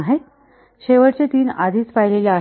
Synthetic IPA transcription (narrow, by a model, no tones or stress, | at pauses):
ɦe | ɕeʋəɽt͡set̪iːnad̪ʱiːt͡sfajleljaː